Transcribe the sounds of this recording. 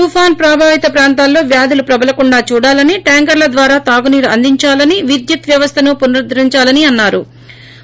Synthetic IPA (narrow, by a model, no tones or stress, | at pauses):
t̪uːpʰaːnpɾaːbʱaːʋit̪ɐpɾaːnt̪aːlːo̞ːʋjaːd̪ʱilupɾɐbɐlɐkuɳɖaːt͡ʃuːɽaːlɐniʈaːŋkɐɾlɐd̪ʋaːɾaːt̪aːɡuniːɾɐnd̪iɲt͡ʃaːlɐniʋid̪jɐt̪ʋjɐʋɐst̪ʰɐnupunɐɾd̪ɾiɲt͡ʃaːlɐniɐnːaːɾu